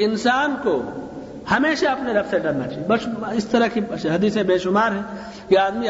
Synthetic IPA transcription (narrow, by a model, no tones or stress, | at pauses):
ɪnsaːnko | hɐmeːʃaɐpneɾɐfseɖɐɾnat͡ʃaːɦijebɐʃɪst̪ɐɾəkiɦɐd̪iːsẽbeːʃʊmaːɾɦɛ̃ː | jeaːd̪mi